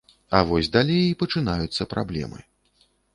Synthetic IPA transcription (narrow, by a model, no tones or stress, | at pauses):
ɐ̰vɔsʲd̪alʲejipɐt͡ʂɨnajut̪sːɐpɾablʲɛ̰mɨ̰